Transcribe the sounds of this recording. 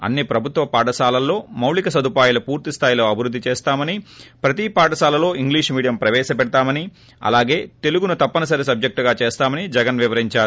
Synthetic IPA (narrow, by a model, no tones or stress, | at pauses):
ɐ̰nːipɾɐbʱut̪ʋɐpaːʈɐsaːlɐlːo̞ːmɐwlikɐsɐd̪upaːjlɐpuːɾt̪ist̪ʰaːjlo̞ːɐbʱiɾud̪ːit͡ʃeːst̪aːmɐnipɾɐt̪ipaːʈɐsaːlɐlo̞ːiŋɡliːʂmiːɽijɐmpɾɐʋɛːʃɐpɛɽɐt̪aːmɐni | ɐ̰laːɡe̞ːt̪e̞luɡunɐt̪ɐpːɐnɐsɐɾes̬ɐb̚d͡ʒek̚ʈuɡaːt͡ʃeːst̪aːmɐnid͡ʒɛɡɐnʋiʋɐɾiɲt͡ʃaːɾu